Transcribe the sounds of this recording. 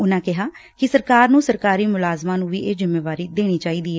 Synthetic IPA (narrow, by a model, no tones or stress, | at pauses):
ʊnãːkɪɦaːkɪsəɾkaːɾnũːsəɾkaːɾiːmʊlaːzmãːnũːʋḭːʔeːzɪmːeːʋaːɾiːd̪eːɽ̃iːt͡ʃaːiːd̪iːɛː